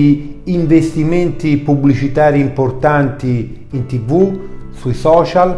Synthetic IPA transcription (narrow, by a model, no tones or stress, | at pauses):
iɱvest̪imɛnt̪ipublit͡ʃit̪aːɾiimport̪ant̪i | int̪ivusuisɔːt͡ʃal